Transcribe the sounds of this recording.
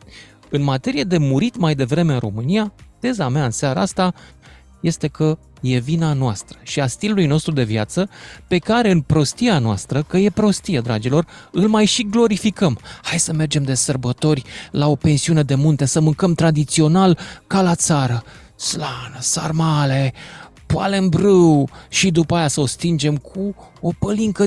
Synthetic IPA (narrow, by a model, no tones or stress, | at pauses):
ɨnmat̪e̞ɾije̞d̪e̞muɾit̪majd̪e̞vɾe̞me̞ɨnro̞mɨnijat̪e̞zameaɨnsaɾa̰ast̪a | je̞st̪e̞kə | je̞vinanoast̪ɾə̥ʃiast̪ilulujno̞st̪ɾud̪e̞viat̪səpe̞kaɾe̞ɨnpɾo̞st̪ianoa̰st̪ɾəkəje̞pɾo̞st̪ijed̪ɾa̰d͡ʒilo̞rɨlmajʃiɡlo̞ɾifikəmhajsəme̞rd͡ʒe̞md̪e̞sərbət̪o̞rʲlao̞pe̞nsiune̞d̪e̞munt̪e̞səmɨŋkəmt̪ɾad̪it̪sio̞nalkalat̪saɾə | slanəsa̰rmale̞ | pua̰le̞nbɾɨwʃid̪upəajasəo̞st̪ind͡ʒe̞mkʰuo̞pəliŋkə